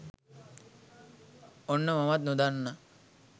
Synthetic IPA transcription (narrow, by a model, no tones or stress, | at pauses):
onːɐmɐmɐt̪̚nud̪anːɐ